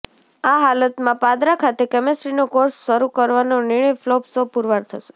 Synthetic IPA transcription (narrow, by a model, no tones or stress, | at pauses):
aɦalət̪mãpad̪ɾakʰat̪ekɛmesɾinokoɾsːəɾukəɾʋanonɪɳ̃əjflopsopuɾʋaɾt̪ʰəʃe̥